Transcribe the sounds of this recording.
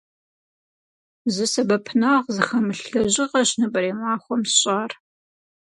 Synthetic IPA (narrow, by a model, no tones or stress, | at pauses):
zɨsɐbɐpʰnaʁzɨχɐmɨɬɬɐʑɪʁɐɕnɐbɐɾeːmɑːχʷɔmsɕʼaːr